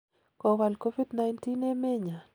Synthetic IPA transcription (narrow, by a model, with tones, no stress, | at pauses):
kɔ˨βa˨lko˦vi˦dna˦jnti˦ne˦me˦ɲa˨